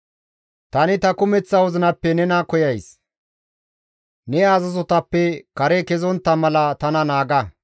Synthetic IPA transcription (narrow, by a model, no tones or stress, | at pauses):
t̪ɐnɪt̪ɐkʊmɛt͡sːɐwɔzɪnɐpːɛnɛnɐkɔjɐjs | nɛaːzɐzɔt̪ɐpːɛkɐɾɛkɛzɔnt̪ːɐmɐlɐt̪ɐnɐnaːɡɐ